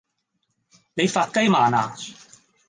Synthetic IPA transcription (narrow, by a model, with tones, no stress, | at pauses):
ne˨˧jfaː˧t̚kɐ˥jmaː˨˩na̰ː˨˩